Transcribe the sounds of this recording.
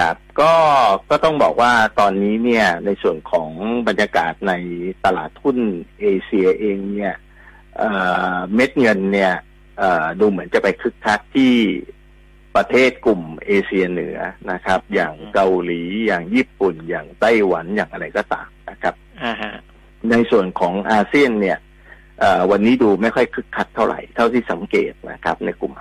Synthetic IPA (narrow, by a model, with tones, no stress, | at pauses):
kʰa̰˦˥˩p̚kɔː˥˩kɔː˥˩t̪ɔ˥˩ŋbɔ̰ː˨˩k̚waː˥˩t̪ɔː˧nːiː˦˥ni˥˩ɐna˧jsu˨˩ənkʰɔː˩˦ŋba˧njaː˧kaː˨˩t̪̚na˧jt̪a˧laː˨˩t̪ʰːu˥˩nʔeː˧si˧ɐʔeː˧ŋni˥˩ɐ | ʔəː˨˩me˦˥t̪̚ŋɤ˧nːi˥˩ɐ | ʔɤː˨˩duː˧mɯ˩˦ənt͡ɕa˨˩pa˧jkʰɯ˦˥k̚t̪ʰa˦˥k̪̚t̪ʰiː˥˩ | pɾa˧t̪ʰeː˥˩t̪̚klu˨˩mʔeː˧sʰi˧ɐnɯ˩˦ɐna˦˥kʰɾa˦˥p̚jaː˨˩ŋka˧wliː˩˦jaː˨˩ŋjiː˥˩pːu˨˩njaː˨˩ŋt̪a˥˩jwa˩˦njaː˨˩ŋʔa˧ɾa˧jkɔː˧˩t̪a̰ː˨˩mna˦˥kʰa˦˥p̚ | na˧jsu˨˩ənkʰɔː˩˦ŋʔaː˧si˥˩ənːi˥˩ɐ | ʔəː˨˩wa˧nːiː˦˥duː˧ma˥˩jkʰɔ˥˩jkʰɯ˦˥kʰːa˦˥t̪ʰːa˥˩wɾʔa̰˨˩jt̪ʰa˥˩wt̪ʰiː˥˩sa˨˩˦mkḛː˨˩t̪̚na̰˦˥kʰɾa˦˥p̚na˧jku˨˩mʔ